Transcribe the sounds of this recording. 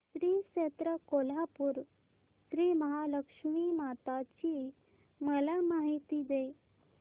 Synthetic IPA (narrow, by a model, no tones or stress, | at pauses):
sɾiːɕet̪ɾəkol̤apuːɾ | sɾiːməɦaləkʂmimat̪at͡ɕi | məlamaɦit̪id̪e